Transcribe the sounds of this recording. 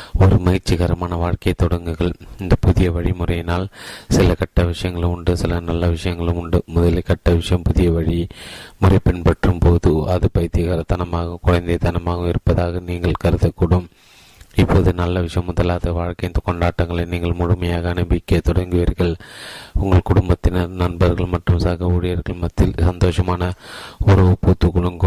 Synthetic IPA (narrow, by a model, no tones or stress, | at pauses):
ɔɾɯmɐɣɪɾt͡ʃːiɣɐɾɐmaːnɐʋaːɻkɐjt̪ɔɽɐŋɡɯɣɐɭɪnd̪ɐpʊðɪjɐʋɐɻimʊrɐjɪnaːlsɪlɐkɐʈːɐʋɪʂɐjɐŋɡɐɭɯʊɳɖɯsɪlɐnɐlːɐʋɪʂɐjɐŋɡɐɭɯmʊɳɖɯmʊðɐlɪkɐʈːɐʋɪʂɐjɐmpʊðɪjɐʋɐɻimʊrɐɪpɪnpɐʈrɯmpoːðɯɐðɯpɐjt̪ːɪɣɐɾɐt̪ɐnɐmaːɣɐkʊɻɐɪnd̪ɐɪt̪ɐnɐmaːɣɐmɪɾɯpːɐðaːɣɐniːŋɡɐɭkɐɾɯðɐkːʊɽɯm | ɪpːoːðɯnɐlːɐʋɪʂɐjɐmːʊðɐlaːðɐʋaːɻkɐjnt̪ɔkɔɳɖaːʈːɐŋɡɐɭɐniːŋɡɐɭmʊɻʊmɐjaːɣɐːnɐbɪkːɐt̪ɔɽɐŋɡɯʋɐɾɣɐɭʊŋɡɐɭkʊɽʊmbɐt̪ːɪnɐnɐnbɐɾɣɐɭmɐʈrɯmsaːɣɐuːɻɪjɐɾɣɐɭmɐt̪ːɪlsɐnd̪oːʂɐmaːnɐɔɾɐʊpːuːt̪ːɯkʊɭɐŋɡɯ